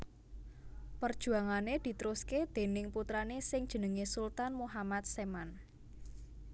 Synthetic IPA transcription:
pərd̥ʒ̥ṳaŋaned̪̥i̤t̪əɾusked̪̥e̤nɪŋput̪ɾanesɪŋd̥ʒ̥ə̤nəŋesult̪anmuɦamat̪̚seman

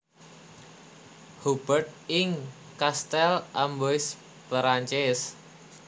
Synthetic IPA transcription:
hub̥ərt̪̚ɪŋ | kast̪ɛlʔamboɪs | pɾaɲt͡ʃɛs

